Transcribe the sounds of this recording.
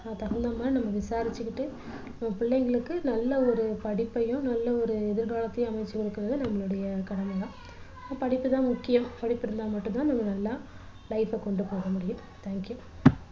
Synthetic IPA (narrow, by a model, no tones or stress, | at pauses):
naːt̪ɐɣɐnd̪ɐmaːnɐmːɐʋɪsaːɾɪt͡ʃːɯkːɪʈːɯ | nɐmːɐpɪɭːɛŋɡɐɭɯkːɯnɐlːɐɔɾɯpɐɽɪpːɐjʊ̃nɐlːɐɔɾɯɛðɪɾɣaːɭɐt̪ːɐjɐ̃ɐmɐɪt͡ʃːɯkɔɭɯkːɯɾɐðɯnɐmːɐɭɯɽɐjɐkɐɽɐmɐjãː | pɐɽɪpːɯt̪ãːmʊkːɪjɐmpɐɽɪpːɪɾɯnd̪aːmɐʈːɯ̃nt̪ãːnɐmːɐnɐlːaː | lɐɪfɛkɔɳɖɯpoːɣɐmʊɽɪjʊ̃m | t̪ʰaːŋkju